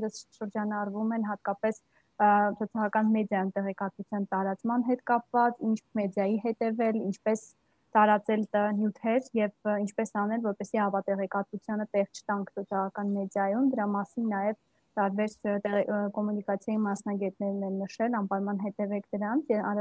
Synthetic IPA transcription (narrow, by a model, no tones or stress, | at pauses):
ɾəsʃəɾd͡ʒɑnɑɾvumɛnɦɑt̪̚kɑpɛs | sʰɔt͡sʰɑʁɑkɑnmɛd̪jɑjumt̪ɛʁɛkɑt̪vut͡sʰjɑnt̪ɑɾɑt͡smɑnɦɛt̪kɑpvɑt͡sint͡ʃʰmɛd̪jɑjiɦɛt̪ɛvɛlint͡ʃʰpɛs | t̪ɑɾɑt͡sɛlnjut̪ʰɛɾjɛvint͡ʃʰpɛsɑnɛlvɔɾpɛsiɑpɑt̪ɛʁɛkɑt̪vut͡sʰjɑnət̪ɛʁt͡ʃʰə̥t̪ɑŋkʰsʰɔt͡sʰɑʁɑkɑnmɛd̪jɑjumd̪əɾɑmɑsinːɑjɛv | t̪ɑɾbɛɾt̪ɛkɔmunikɑt͡sʰjɑjimɑsnɑɡɛt̪̚nɛɾnɛnnəʃɛlɑmpɑɾmɑnɦɛt̪ɛvɛkʰd̪əɾɑnt͡sʰjɛɑ